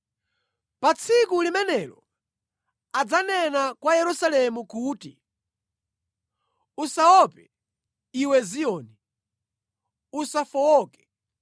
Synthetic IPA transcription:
pat͡sʰikulimɛnɛlɔ̰ | ad͡zanɛnakwajɛɾusalɛmukuːtḭ | usaɔpɛ | iwɛziɔːni | usafɔɔːkɛ̥

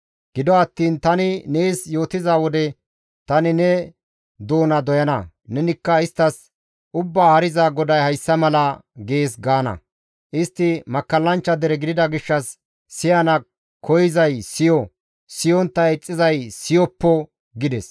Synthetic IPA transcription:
ɡ̥ɪd̪ɔɐt̪ːiːnt̪ɐnɪne̞ːsjo̞ːt̪ɪzaːwɔd̪ɛ | t̪ɐnɪnɛ | d̪o̞ːnɐd̪ɔjɐnɐ̰ | nɛnɪkːɐɪst̪ːɐs | ʊbːaːhɐɾɪzaːɡɔd̪ɐjhɐjsːɐmɐlɐɡe̞ːs̬ɡaːnɐ̰ | ʔɪst̪ːɪmɐkːɐlːɐnt͡ʃːɐd̪ɛɾɛɡɪd̪ɪd̪ɐɡɪʃːɐsː | ɪjɐnɐ | kɔjɪzɐjsɪjɔ | sɪjɔnt̪ːɐɛt͡sʼːɪzɐjsɪjɔpːɔ | ɡɪd̪ɛs

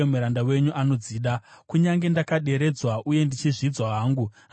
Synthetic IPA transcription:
emuɾandawe̞ɲuʔano̞d͡ziːɗakuɲaŋɡe̞ndakaɗe̞ɾe̞d͡zwaʔuje̞ndit͡ʃiʐid͡zwaɦaːŋɡu

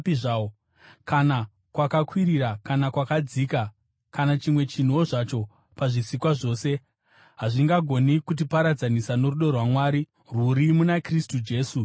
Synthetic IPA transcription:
piʐaːo | kana | kwakakwiɾiɾakanakwakad͡ziːka | kanat͡ʃimwe̞t͡ʃin̤uoʐat͡ʃo̞ | paʐisikwaʐo̞ːse̞ | ɦaʐiŋɡaɡʱo̞nikut̬ipaɾad͡zanisano̞ɾuɗo̞rwamwaːɾi | ruɾimunakristud͡ʒe̞ːsu

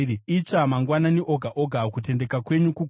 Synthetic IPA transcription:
it͡ʃamaŋɡwananiʔo̞ɡʱaʔoɡʱakut̬e̞nde̞kakwe̞ɲuku

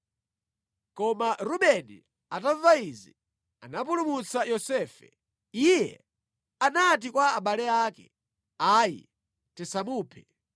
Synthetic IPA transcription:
kɔmaɾuɓɛnḭ | atavaizi | anap̬ulumut͡sajɔsɛːfɛ | ijɛ | anat̬ikwaːɓalɛaːkɛ̰ | aːjḭ | tɛsamuːpʰɛ̥

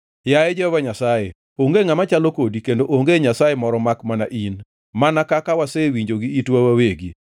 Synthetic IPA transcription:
jajɛd͡ʒɔbaɲasaje | oŋɡeŋamat͡ʃalokodikendoʔoŋɡeɲasajemɔɾɔmakmana̰ʔin | manakakawasewiɲd͡ʒoɡiitwawaweɡi

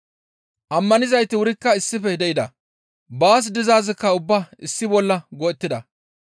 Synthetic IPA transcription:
ʔɐmːɐnɪzɐjt̪ɪwʊɾɪkːɐɪsːɪfɛd̪ɛʔɪd̪ɐ | baːs̬d̪ɪzaːzɪkːɐʊbːaɪsːɪbɔlːɐɡɔɛt̪ːɪd̪ɐ

